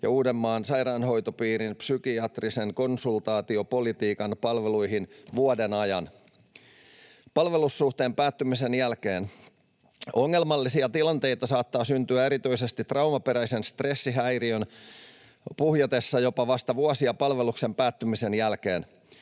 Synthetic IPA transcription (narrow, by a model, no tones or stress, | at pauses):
jɑ̰uːdemːɑːnsɑjɾɑːnɦo̞jt̪opiːɾinpsykiɑt̪riseŋko̞nsult̪ɑːt̪io̞po̞lit̪iːkɑnpɑlʋelujɦinʋuodenɑjɑn | pɑlʋe̞lusːuht̪e̞ːmpæːt̪ːymise̞njælke̞ːn | o̞ŋːe̞lmɑlːisiɑt̪ilɑnt̪e̞jt̪ɑsɑːt̪ːɑːsynt̪yæeɾit̪øisest̪it̪rɑuwmɑpe̞ɾæjse̞nst̪re̞sːiɦæjriøn | puhjɑt̪e̞sːɑjo̞pɑʋɑst̪ɑʋuɑsiɑpɑlʋe̞lukse̞mpæːt̪ːymise̞njælke̞ːn